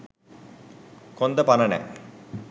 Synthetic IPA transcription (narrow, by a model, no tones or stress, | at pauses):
kond̪ɐpɐnɐnɛ̰